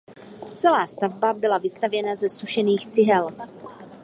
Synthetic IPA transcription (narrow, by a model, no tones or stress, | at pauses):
t͡sɛlaːst̪avbabɪlavɪst̪avjɛnazɛsuʃɛniːxt͡sɪɦɛl